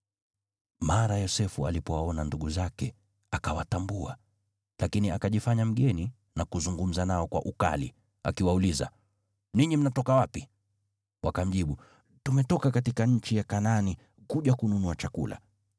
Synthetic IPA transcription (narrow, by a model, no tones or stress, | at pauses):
maɾajɔsɛfua̰lipɔwaɔnanduɠuzakɛ | akawatambua | lakiniakaʄifaɲam̩ɠɛni | nakuzuŋɡum̩zanaɔkwa̰ʔuka̰lḭ | a̰kiwauliza̰ | niɲim̩natɔkawapi | wʔakam̩ʄiɓu | tumɛtɔkakatikaɲ̩t͡ʃijakanani | kuʄakununuat͡ʃakṵlʔa̰